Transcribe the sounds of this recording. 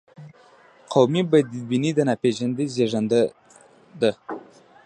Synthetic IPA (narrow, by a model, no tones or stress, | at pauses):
qʰawmibad̪ibinid̪ənapeʒand̪izeʐand̪ə | d̪ə